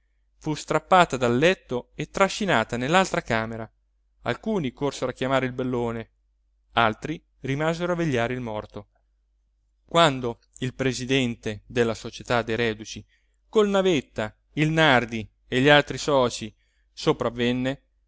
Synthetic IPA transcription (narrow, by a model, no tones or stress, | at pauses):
fust̪ɾapːaːt̪ad̪alːɛt̪ːoet̪ːɾaʃːinaːt̪anelːalt̪ɾakaːmeɾa | a̰lkuːnikorseɾoakːjamaːɾeilbelːoːne | alt̪ɾi | rimaːzeɾoavːeʎːaːɾeilmɔrt̪o | kwand̪o | ilpɾezid̪ɛnt̪ed̪elːasot͡ʃet̪ad̪ejɾɛːd̪ut͡ʃi | kolnavet̪ːa | ilnard̪i | eʎːialt̪ɾisɔːt͡ʃi | sopɾavːenːe